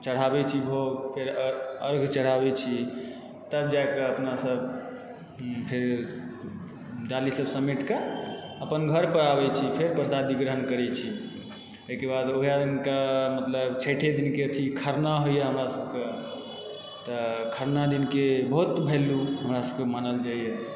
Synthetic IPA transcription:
t͡ʃəɽ̤abɛt͡ʃʰibʱopʰeɾəɾɡʱt͡ʃəɽ̤abɛt͡ʃʰi | t̪əbd͡ʒaekeəpnasəb | pʰeɾ | d͡ʒalisəbsəmiʈke | əpənɡʱəɾpəɾabɛt͡ʃʰipʰeɾpəɾsad̪ʋiɡɾəɦənkəɾɛt͡ʃʰi | okebad̪oɦjainkamət̪ləbt͡ʃʰeʈʰed̪inkeət̪ʰikʰəɾnaɦojjeɦəmɾasəbʱke | t̪əkʰəɾnad̪inkebəɦut̪bʱeluɦəmɾasəbkemanəld͡ʒaijɛ

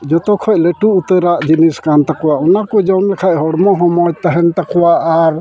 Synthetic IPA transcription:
d͡ʒɔt̪ɔkʰɔʔleʈuːt̪əɾaʔd͡ʒiniskant̪akɔwaʔɔnakɔd͡ʒɔnlɛkʰaʔɦɔɽmɔɦɔmɔjt̪aɦɛnt̪akɔwaʔaɾ

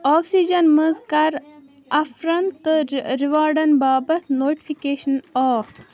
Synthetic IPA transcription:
ɔːksid͡ʒɐnmɐzkɐɾ | ɐfɾɐnt̪ɨɾiʋaːɾɖɐnbaːbɐt̪noːʈi̥fʰikeːʃɐnɔːɾ

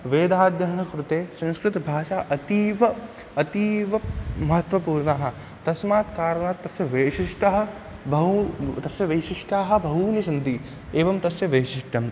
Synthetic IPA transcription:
ʋeːd̪aːd̪jɐɦɐnɐkɾut̪eːsɐ̃nskɾɪt̪bʱaːʃaːʔɐt̪iːʋɐ | ɐt̪iːʋɐmɐɦɐt̪ʋɐpuːɾɳaːɦɐ̆ | t̪ɐsmaːt̪kaːɾɐnaːt̪ːɐsjɐʋeːʃiʂʈɐɦɐ̆ | bʱɐɦut̪ɐsjɐʋɐʃiʂʈaːɦɐ̆bʱɐɦuːnisɐnd̪i | eːʋɐmt̪ɐsjɐʋeːʃiʂʈɐm

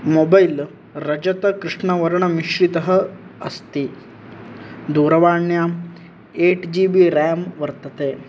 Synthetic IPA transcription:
mobɐjl | ɾɐd͡ʒɐt̪ɐkɾiʂɳɐʋɐɾɐɳɐmiʃɾit̪ɐɦɐ̆ɐst̪i | d̪uːɾɐʋaːɳja | eːʈd͡ʒiːbiɾaːmʋɐɾt̪ɐt̪eː

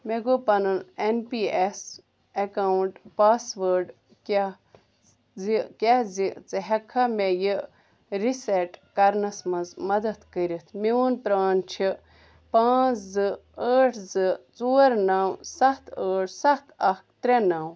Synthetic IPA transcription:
meɡopɐnɨnenpiːes | ekawɳʈpaːsʋəːɾɖ | kʲa | zikʲazit͡sɨɦɛkʰːɐmeji | ɾiseʈkɐɾnɐsmɐzmɐd̪ɐt̪kəɾʲit̪ʰmiʋunpɾaːnt͡ʃʰi | pãːt͡szɨəːʈʰzɨt͡soːɾnawsɐht̪ʰəːʈʰsɐht̪ɐkt̪ɾenaw

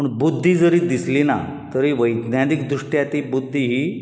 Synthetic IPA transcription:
pəɳbud̪ʱːiːd͡zəɾiːd̪islina̰ | t̪əɾiːʋəjɡnad̪ikd̪ɾuʂʈjat̪ibud̪ʱːiɦiː

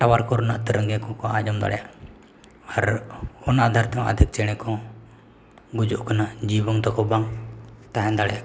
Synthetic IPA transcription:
ʈawaɾkɔɾɔnaʔt̪əɾəŋɡɛkɔ̃kɔad͡ʒɔmd̪a̰ɽɛjaʔ | aɾɔnaʔd̪ʱaɾt̪ɛ̃ʔə̰d̪ʱik̚t͡ʃɛɽ̃ɛkɔ̃ | ɡud͡ʒuʔkanad͡ʒibɔŋt̪ɔkɔbaŋt̪aɦɛ̃d̪aɽɛjaʔ

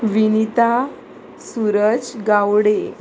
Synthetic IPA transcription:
ʋinit̪a | suɾəd͡zɡawɽe

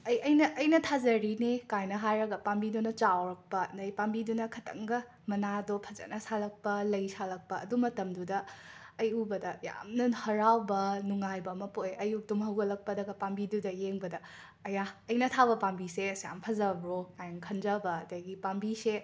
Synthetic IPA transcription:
ɐjɐjnɐʔːjnɐtʰazɐɾinekajnɐɦajɾɐɡɐpambidunɐt͡ʃawɾɐk̚pɐnɐjpambidunɐkʰɐtʰɐ̰ŋɡɐ | mɐnadopʰɐzɐ̰nɐsalɐk̚pɐlɐjsalɐk̚pɐːdumɐtɐmdudɐːjubɐdɐja̰mnɐhɐɾawbɐnuŋajbɐmɐpojɐjuk̚tumɦɐwɡɐlɐk̚pɐdɐɡɐpambidudɐjeŋbɐdɐː | jaɐjnɐtʰabɐpambisesja̰mpʰɐzɐbɾoajŋkʰɐnzɐbɐdɐjɡipambise

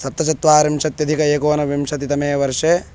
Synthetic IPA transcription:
sɐt̪ːɐt͡ʃɐt̪ʋaːɾimʂɐt̪jɐd̪ʱikɐeːkoːnɐʋimʃɐt̪it̪ɐmeːʋɐɾʂeː

